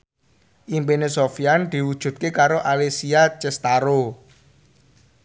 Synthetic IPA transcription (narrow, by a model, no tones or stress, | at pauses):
ʔimpenesofiand̪̥i̤wud̥ʒ̥ṳt̪̚kekaɾoʔalesiat͡ʃɛst̪aɾo